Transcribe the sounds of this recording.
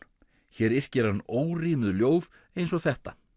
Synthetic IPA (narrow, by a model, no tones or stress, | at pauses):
çɛːɾɪr̥cɛɾ̥anːoːwriːmʏðljoːwð | ejns̬ɔɣθɛht̪a